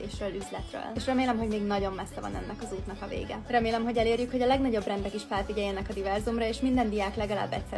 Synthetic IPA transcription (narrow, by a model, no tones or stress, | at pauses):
eːʃrøːlyzlɛt̪rø̰leʃrɛmeːlɛmɦo̞ɟmeːɡnɒɟo̞mːɛsːɛvɒ̰nɛ̰nːʔɛkɒzuːt̪nɒkɒvḛːɡɛrɛmeːlɛmɦo̞ɟɛleːrjykhoɟɒlɛɡnɒɟo̞brɛnd̪ɛkiʃfɛlfiɟɛjːɛnɛkɒd̪ivɛrzumrɒeːʃmind̪ɛnd̪ijaːklɛɡɒla̰ːbːɛ̰csɛ